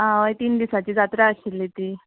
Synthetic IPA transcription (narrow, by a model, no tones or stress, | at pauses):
ɦãʋəjt̪iːnd̪isat͡ɕiːd͡zat̪ɾaəɕilːit̪iː